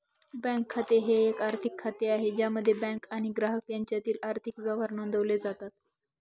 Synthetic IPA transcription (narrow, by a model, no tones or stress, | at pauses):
bɛ̃ŋkʰːat̪eɦeːkaɾt̪ʰikʰːat̪eaɦed͡ʑjaməd̪ʱːjebɛ̃ŋkaɽ̃iɡɾaɦəkjaɲt͡ɕjat̪iːlaɾt̪ʰikʋjaʋaɾnond̪ʱəʋled͡zat̪at̪̚